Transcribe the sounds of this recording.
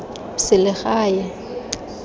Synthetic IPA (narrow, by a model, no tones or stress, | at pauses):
sɪlɪɣaːjɛ